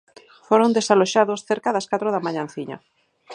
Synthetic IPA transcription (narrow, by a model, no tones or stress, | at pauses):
foɾond̪esaloʃaðosθeɾkaðaskat̪ɾoðamaʎãnθiɲa̰